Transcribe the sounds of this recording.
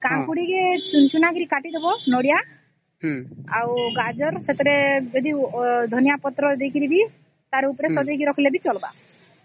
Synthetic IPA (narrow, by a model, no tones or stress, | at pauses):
kaŋkuɽiɡet͡ʃunt͡ʃunaɡɾikaʈid̪ebɔnɔɽija | awɡad͡ʒɔɾset̪ɔɾed͡ʒɔd̪id̪ʱɔnjapɔt̪ɾɔd̪ekiɾibi | t̪aɾupɔɾesɔd͡ʒɔɡiɾɔkʰilebit͡ʃɔlba̰